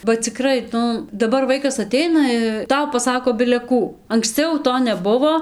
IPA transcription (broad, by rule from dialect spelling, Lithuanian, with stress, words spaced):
bɐ t͡sʲɪˈkrɐɪ ˈnʊ dɐˈbɐr ˈʋɐɪkɐs ɐˈtʲɛɪnɐ ˈtɐʊ pɐˈsɑːkoː bʲɪlʲɛ ˈkuː ɐŋksʲˈt͡sʲɛʊ ˈtoː nʲɛˈbʊʋoː